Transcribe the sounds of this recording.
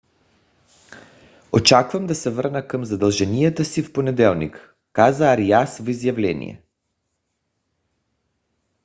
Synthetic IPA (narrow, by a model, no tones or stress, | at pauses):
ot͡ʃakvɐmd̪asɛvəɾnəkəmzad̪əlˠʒɛnijat̪əsifponɛd̪ɛlˠnḭkː | azaːɾijasvizjavlɛnḭjɛ̰